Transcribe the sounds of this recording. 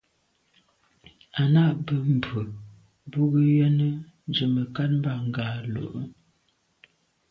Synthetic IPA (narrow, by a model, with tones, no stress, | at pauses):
a˨na˦˨ʔbə˨m̩˨bə˨ | bu˦ɡə˦jɛ˦nə˦ | d͡ʒə˨mə˨ka˦t̚m̩˦ba˦˨ŋ˨ɡaː˨lo̰˨ʔə˦